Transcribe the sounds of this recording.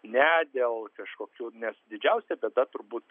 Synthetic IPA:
nʲɛd̪ʲeːlˠkɐʃkoːkʲuːnʲɛsd̪ʲɪd͡ʒʲɛʊsʲɛbʲebd̪ɐt̪ʊɾbuːt̪

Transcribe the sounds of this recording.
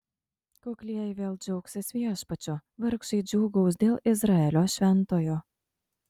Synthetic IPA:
koklʲiɛjɪʋʲeːlˠd͡ʒʲɔʊksʲɪsʲʋʲiɛʃpɐt͡ʃʲʊʋʲɐɾkʃɐɪd͡ʒʲuːɡɐʊsd̪ʲeːlˠɪzɾɑɛlʲoːʃʲʋʲɛnt̪oːjoː

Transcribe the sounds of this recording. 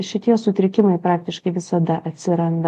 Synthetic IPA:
ʃʲɪt̪ʲiɛsʊt̪ʲɾʲɪkʲɪmɐɪpɾɑːk̚t̪ʲɪʃkɐɪʋʲɪsɐd̪ɐʔɐt̪ʲsʲɪɾɐnd̪ɐ

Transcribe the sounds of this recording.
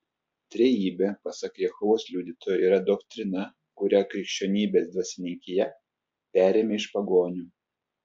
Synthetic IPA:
t̪ʲɾʲɛjiːbʲepɐsɐkjɛxʊʋoːslʲuːd̪ʲɪt̪ʰoːjɛiːɾɐd̪okt̪ʲɾʲɪnɐ | kʊɾʲækɾʲɪkʃʲt͡ʃʲoːnʲiːbʲeːsd̪ʋɐsʲɪnʲɪŋʲkʲɪjɛ | pʲæːɾʲeːmʲeːɪʃpɐɡoːnʲuː

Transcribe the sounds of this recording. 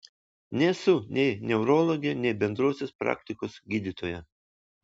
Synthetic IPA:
nʲɛsʊnʲɛɪnʲɛʊɾɔːlˠoːɡʲɪɛnʲɛɪbʲɛnd̪ɾoɔsʲospɾɑ̰ːkʲt̪ʲɪkoːsɡʲiːd̪ʲit̪oːjɛ

